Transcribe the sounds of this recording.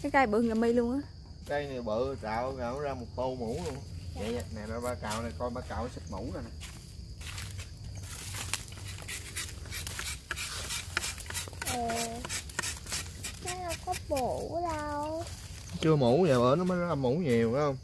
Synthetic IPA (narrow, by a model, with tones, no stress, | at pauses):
kaː˨˦jkaː˧jɓɨ˨˩əŋzaː˨˩mə˧jlu˧əŋʔaː˨˦ | ka˧jna˨˩jɓəː˧˨t͡ɕaː˨wɣa˧˨˩wzaː˧mo˨˩t̚to˧wmu˨˦lu˧əŋjə̰˧˨ja˧na˨˩nɔ˨˧˩ɓaː˧ka̰ː˨wna˨˩kɔ˧jɓaː˧kaː˨wsɨ˦˥t̚mu˧˩˦za˨˩na˨˩ | ʔəː˨˩ | ka˨˦jna˧˩kɔ˦˥mo˨˦ɗa˧˨˧w | t͡ɕɨ˧əmu˨˩˦ɲaː˨˩ɓəː˨˦nɔ˨˦maː˨˦zɔ˦˥˧mu˨˩˦ɲi˨˩əwa˨˦hə˧wŋ͡m